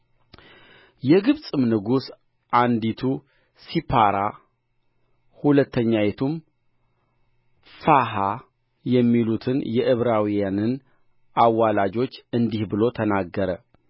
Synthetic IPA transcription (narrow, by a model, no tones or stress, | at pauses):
jɛɡɨβsʼɨmnɨɡus | ʔand̪it̪ʰu | sipʰaɾa | hulət̪ʰːəɲːajɛt̪ʰum | faɦa | jɛmːilut̪ʰɨnjɛʔɨβɾawijanɨn | ʔawːalad͡ʒo̞t͡ʃːɨnd̪ihbɨlo̞t̪ʰənaɡːəɾə